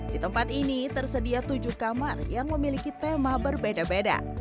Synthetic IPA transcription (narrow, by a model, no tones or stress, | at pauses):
d̥it̪əmpat̪init̪ərsədiat̪ud͡ʒuhkamarjaŋməmilikit̪emabərbedabeda̰